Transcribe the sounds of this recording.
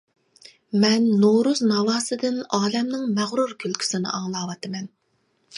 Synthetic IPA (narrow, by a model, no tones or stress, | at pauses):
mɛnːoɾuznɑvɑːsɨd̪ɪnɑːlɛmnɪŋmæʁɾuɾkʲʰylkʲʰy̥sɪnɪ̰ʔɑŋlˠɑːwɑt̪ʰɨmɛn